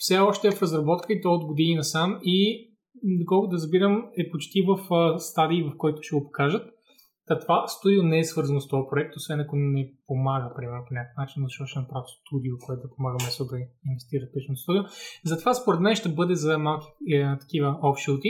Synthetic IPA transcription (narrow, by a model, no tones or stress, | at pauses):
fsɛɔʃt̪ɛvfɾɐzɾɐbɔt̪kəit̪ɛod̪ɡod̪iinɐsami | d̪okɔlˠkʊd̪ɐɾəzbiɾəmɛpot͡ʃt̪ivəfst̪ad̪iːvɐfkɔjt̪ʊ̥ʃɛɡopo̥kaʒət̪ː | ɐt̪ovast̪ud̪ionɛɛsvɤɾzɐnʊst̪ɔvɐpɾoɛk̚t̪osvɛnɐkonɛpomaɡəpɾimɛɾnʊponʲakə̥fnat͡ʃinːzɐʃt̪ɔtʃɛnɐpɾavʲist̪ud̪iokoɛt̪ʊd̪ɐpomaɡəmɛsold̪ɐinvɛst̪iɾət̪̚pit͡ʃnst̪ud̪iozɐt̪ovaspoɾɛt̪mɛnʃt̪ɛbɤd̪ɛzɐmalˠkʲi̥t̪ɐ̥k̟ivəɔfʃit̪i